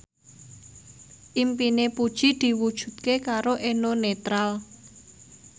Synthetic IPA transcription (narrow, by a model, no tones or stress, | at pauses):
ʔimpinepud̥ʒ̥i̤d̪̥i̤wud̥ʒ̥ṳt̪̚kekaɾoʔenonet̪ɾal